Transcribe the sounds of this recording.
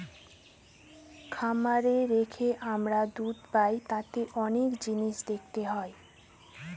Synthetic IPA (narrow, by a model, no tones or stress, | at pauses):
kʰamaɾeɾekʰeʔamɾad̪ud̪pajt̪ãt̪eʔɔnekd͡ʑiniʃd̪ek̚ʰt̪eɦɔe